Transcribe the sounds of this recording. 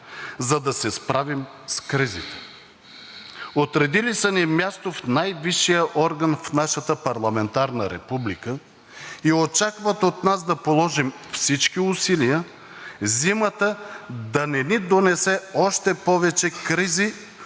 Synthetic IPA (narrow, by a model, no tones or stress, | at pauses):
zɐd̪ɐsɛspɾavim | skɾizit̪ɛ̥ | ot̪ɾɛd̪ilisənimʲjast̪ofnajviʃːijəʔɔɾɡənfnaʃət̪əpɐɾlˠɐmɛnt̪aɾnəɾɛpublikə | iot͡ʃakvət̪ot̪nasd̪ɐpolˠɔʒimfsit͡ʃkiʊsilijə | zimət̪əd̪ɐnɛnid̪onɛsɛɔʃt̪ɛpɔvɛt͡ʃɛkɾizi